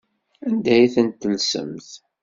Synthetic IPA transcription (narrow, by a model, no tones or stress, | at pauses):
ænd̪æjθənt̪ːənsə̰mθ